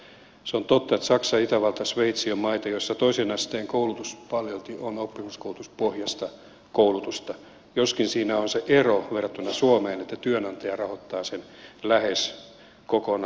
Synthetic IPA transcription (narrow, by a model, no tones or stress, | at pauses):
seont̪ot̪ːɑet̪sɑksɑit̪æʋɑlt̪ɑsʋeit̪siommɑit̪ɑjoisːɑt̪oisenɑst̪eːŋkoulut̪uspɑljelt̪ionopːiŋːuskoulut̪uspohjɑst̪ɑ | koulut̪ust̪ɑ | joskinsiːnæonseʔeroʋerɑt̪ːunːɑsuomeːnet̪ːæt̪yønɑnt̪ɑjɑrɑhot̪ːɑːsenlæhes | kokon